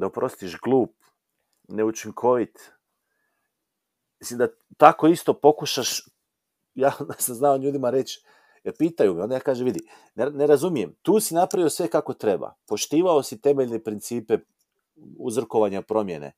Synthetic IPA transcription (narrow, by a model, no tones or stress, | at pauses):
d̪aopɾo̞st̪iʃɡlˠuːp̚ | ne̞ut͡ʃiŋkʰo̞ʋit̪ | mislimd̪a | t̪ako̞ist̪o̞po̞kuʃaʃ | jaːd̪asamznaoʎuːd̪imaɾe̞t͡ʃ | epiːt̪ajumiod̪ajaːkaːʒeʋid̪i | nene̞ɾazumije̞mt̪uːsinapɾaʋio̞sʋe̞kako̞t̪ɾe̞ba̰po̞ʃt̪iːʋaosit̪e̞meʎnepɾint̪siːpe̞ | ṵzr̩ko̞ʋaɲapɾo̞mje̞nḛ